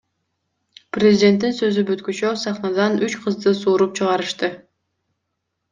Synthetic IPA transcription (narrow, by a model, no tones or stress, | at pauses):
prʲezʲɪdʲe̞nt̪̬ːinsø̞zybyt̪kyt͡ʃøsɑχnɑd̪ɑnyt͡ʃqʰɯzd̪ɯsuːɾup̚t͡ʃʰɯʁɑɾɯʃt̪ɯ